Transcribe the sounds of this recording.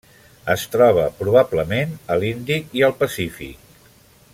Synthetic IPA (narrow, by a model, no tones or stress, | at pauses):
əst̪ɾɔβ̞əpɾuβ̞abləmenəlind̪ikiəlˠpəsifḭk̚